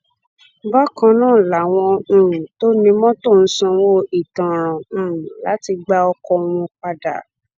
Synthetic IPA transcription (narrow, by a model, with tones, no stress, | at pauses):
ba˦kã˧nãː˦˨la˨w̃ɔ̃˧ɾũ˨to˦nĩ˧mɔ̃˦to˦˨n̩˦sã˧wo˦i˨tã˨ɾ̃ɔ̃˨˦˨la˦ti˧ɡ͡ba˧ɔ˧kɔ˧wũ˧k͡pa˧da̰˨